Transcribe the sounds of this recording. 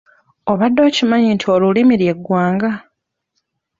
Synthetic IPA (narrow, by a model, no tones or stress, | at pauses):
o̞βadːo̞ːcimaɲintʰio̞lulimiɾje̞ɡːwaːŋɡa